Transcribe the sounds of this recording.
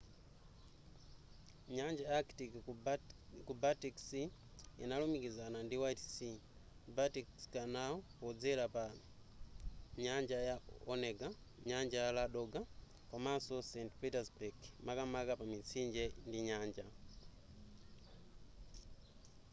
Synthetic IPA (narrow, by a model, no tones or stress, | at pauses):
ɲaɲd͡ʒajaktiki | kubatiksi | ḭnalumikizanandiwajtsi | batikskanaɔpɔd͡zɛlapa | ɲaɲd͡ʒajaɔneɡa | ɲaɲd͡ʒajalaɗɔɡa | kamasosentpitasbaɡmakamakapamit͡siɲd͡ʒɛndiɲaːɲd͡ʒa